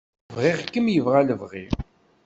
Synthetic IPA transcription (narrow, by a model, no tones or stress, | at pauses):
vʁɪʁkːəmjəvʁaləvʁḭ